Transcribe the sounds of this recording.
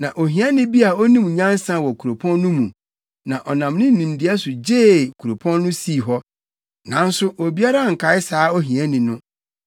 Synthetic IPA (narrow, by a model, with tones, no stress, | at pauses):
nã˨ʔo˨ɦĩ˨˦ɛ̃˦nɪ̃˦bi˦a˨o˦nĩ˦m̃˨ɲã˦n˦sã˦wɔ˨kʰu˨ɾo˨pʰɔ̃˦nːʊ̃˦mũ˨ | nã˨ʔɔ˨nã˨m˦nɪ̃˦n̩˦nĩ˨m˦dɪ˦ɛ˦sʊ˨d͡ʑe˦˨kʰu˨ɾo˨pʰɔ̃˦nːʊ̃˦si˦˨ɦɔ˦ | nã˨˦n̩˦sʊ˦ʔo˨bi˦a˦ɾa˦˨ŋ̩˨kʰa˨˦ɪ˦saː˨˦o˦ɦĩ˨ɛ̃˦nĩ˨nʊ̃˦